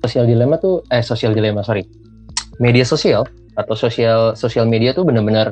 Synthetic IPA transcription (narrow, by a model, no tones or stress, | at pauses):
osialdilemat̪uɛsosialdilemasoɾi | mediasosial | at̪awsosialsosialmediat̪ubənərbənər